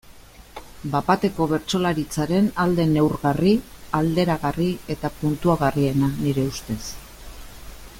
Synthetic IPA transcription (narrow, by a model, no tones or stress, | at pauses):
bapat̪e̞ko̞β̞e̞ɾt͡so̞laɾit͡saɾe̞nald̪e̞ne̞wɾɣariald̪e̞ɾaɣarie̞t̪apunt̪uaɣ̞arie̞naniɾe̞ust̪e̞s